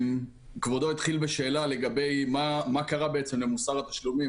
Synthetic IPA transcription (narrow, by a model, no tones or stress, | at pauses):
m | kvod̪o̞it̪χilbeʃe̞ːlale̞ɡabe̞jmamakaʁabeet͡se̞mle̞musaʁat̪ḁʃlumi